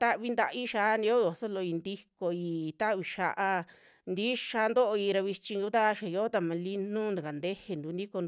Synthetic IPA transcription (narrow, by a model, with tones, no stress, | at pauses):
t̪a˦ʔβi˧nd̪a˧ʔi˦ʃa˧ʔnĩ˧o˦˧o˨so˦lo˧i˧nd̪i˧ko˧i˧t̪a˦ʔβi˧ʃa˧ʔa˧ | nd̪i˦ʃa˧nd̪o˦ʔo˧i˧ɾa˧βi˧t͡ʃĩ˧ŋɡu˧˦t̪a˦˧ʃa˨jo˧˦t̪a˧mã˧li˧nũ˦˧nã˨ka˨nd̪e˦he˧nd̪u˨˧nĩ˦ko˧n˧